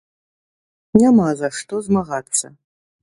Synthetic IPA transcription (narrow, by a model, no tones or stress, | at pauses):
nʲamazaʂtozmaɣat̪t͡s̪ːɐ̰